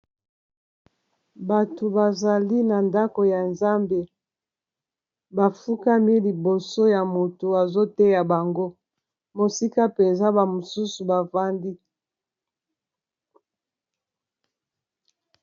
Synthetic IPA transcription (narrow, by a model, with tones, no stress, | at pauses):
ba˨to˨ba˨za˨li˦na˨nda˦ko˨ja˨nza˦mbe˨ | ba˨fu˦ka˦mi˦li˨bo˨so˦ja˨mo˨to˨a˨zo˦te˦ja˨ba˨ŋɡo˦ | mo˨si˦ka˦pe˨nza˦ba˨mo˨su˦su˨ba˨va˦ndi˦